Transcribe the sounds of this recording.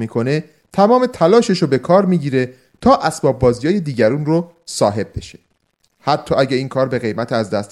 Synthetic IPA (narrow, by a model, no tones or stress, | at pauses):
miːkʰo̞ne̞ | t̪ʰæmɒːme̞t̪ʰælɒːʃeʃobe̞kʰɒːɾmiːɟiːɾe̞ | t̪ʰɒːʔæsbɒːb̚bɒːzijɒːje̞d̪iːɟæɾuːnro | sɒːɦe̞b̚be̞̰ʃe̥ | hæt̪ʰːɒːæɟeiːŋkʰɒːɾbe̞ɣe̞jmæt̪ʰeæzd̪æst̪